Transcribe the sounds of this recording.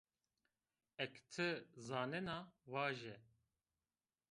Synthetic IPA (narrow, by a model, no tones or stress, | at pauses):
ɛkt̪ʰɨzaːnɛnaːwaːʒɛ